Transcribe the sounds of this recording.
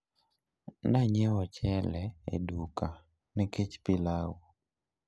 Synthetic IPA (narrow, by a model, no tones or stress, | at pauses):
naɲɛwɔt͡ʃɛlɛḛduka | nɛket͡ʃpilawu